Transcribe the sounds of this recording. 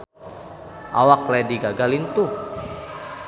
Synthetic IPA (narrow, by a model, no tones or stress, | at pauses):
ʔa̰waklɛdiɡaɡalint̪u